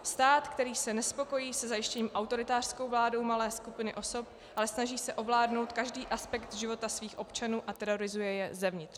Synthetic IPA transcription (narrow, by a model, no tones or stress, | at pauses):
st̪aːt̪kt̪ɛɾiːsɛnɛspo̞ko̞jiːsɛzajɪʃcɛɲiːmʔawt̪o̞ɾɪt̪aːr̥sko̞wvlaːdo̞wmalɛːskupɪnɪʔo̞so̞p | ʔalɛsnaʒiːsɛʔo̞vlaːdnowt̪kaʒdiːʔaspɛkt̪ʒɪvo̞t̪asviːxʔo̞pt͡ʃanuːʔat̪ɛɾo̞ɾɪzujɛjɛzɛvɲɪt̪r